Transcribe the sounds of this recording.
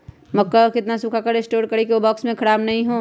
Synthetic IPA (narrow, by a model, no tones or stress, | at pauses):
mɐkːakɪt̪nasʊkʰakəɾesʈoːɾkɐɾekiobɔːksmẽkʰɐɾaːbnɐɦĩɦoː